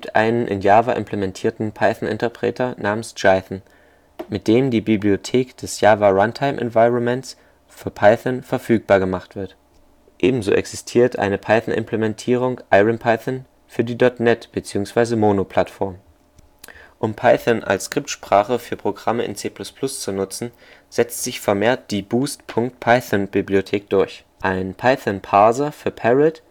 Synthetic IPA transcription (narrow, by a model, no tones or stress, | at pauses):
iːptʔa̰ɪnənʔɪ̰njaːvaʔɪ̰mpləmɛntʰiːɐtn̩pʰaɪθnɪ̰ntɐpʁ̥ɛ̰ːtʰɐnʔaːmənsd͡ʒaɪθn̩ | mɪt̚d̥eːmdiːbibliotʰeːkd̥ɛsjaːvaʁantʰaɪmʔɛ̰nvaɪʁɔnmɛnts | fyːɐpʰaɪθanfɛɐfyːk̚b̥aːɐɡəmaχtv̥ɪɐt | ʔeːbm̩zo̰ːʔɛ̰ksɪstʰiːɐtʔa̰ɪnəpʰaɪθnʔɪ̰mpʰlemɛntʰiːʁ̞ʊŋʔaɪʁənpʰaɪθən | fyːɐdiːdɔtnɛtb̥ət͡siːʊŋsv̥aɪzəmoːnopʰl̥atfɔɐm | ʔʊmpʰaɪθənʔa̰lskʁ̥ɪp̚tʃpʁ̥aːχəfyːɐpʁ̥oɡʁaməʔɪ̰nt͡seːpʰl̥ʊspʰl̥ʊst͡sunʊt͡sn̩ | z̥ɛt͡stz̥ɪçfɛɐmeːɐt̚d̥iːbuːstpʰʊŋktpʰaɪθanbibliotʰeːk̚d̥ʊɐç | ʔaɪnənpʰaɪθənpʰaːzɐfyːɐpʰɛʁɪt